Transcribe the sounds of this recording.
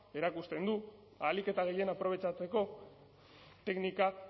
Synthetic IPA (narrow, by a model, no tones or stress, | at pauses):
e̞ɾakust̪e̞nd̪u | alike̞t̪aɣ̞e̞je̞napɾo̞β̞e̞t͡ʃat͡se̞ko̞ | t̪e̞knika